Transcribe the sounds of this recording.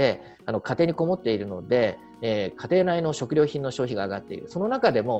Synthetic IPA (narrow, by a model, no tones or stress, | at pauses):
e̞ | ano̞kat̪e̞ːɲ̟iko̞mo̞t̪ːe̞iɾɯ̟no̞d̪e̞ | ekʰat̪e̞ːnaino̞ɕo̞kɯ̟ɾʲo̞ːçĩnːo̞ɕo̞ːçiɡaːɡat̪ːe̞ḭɾɯ̟so̞no̞nakad̪e̞mo̞